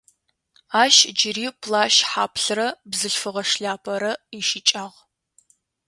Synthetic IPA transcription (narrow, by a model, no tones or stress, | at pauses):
aːʃd͡ʒɪriːpʰlaːʃħaːpʰɬɨrɐbzɨɬfɨʁɐʂɬaːpʰɐɾɐiʃit͡ʃʼaːʁ